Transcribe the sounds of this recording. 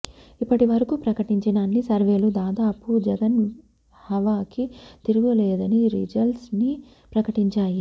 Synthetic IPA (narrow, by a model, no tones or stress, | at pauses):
ipːɐʈiʋɐɾɐkupɾɐkɐʈiɲt͡ʃɐɖaːnːisɐɾʋe̞ːlud̪aːd̪aːpud͡ʒɐɡɐn | hɐʋaːkit̪iɾuɡuleːd̪ɐniɾḭd͡ʒɐlsni | pɾɐkɐʈiɲt͡ʃaːji